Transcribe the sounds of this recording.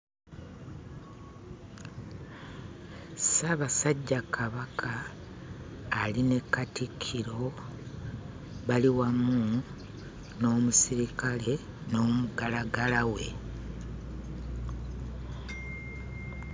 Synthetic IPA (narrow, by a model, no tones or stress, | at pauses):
saβasaɟːakʰaβakʰa | line̞katikʰːiɾo̞ | βaliwamu | no̞ːmusiɾikale̞ | no̞ːmuɡalaɡalawe̞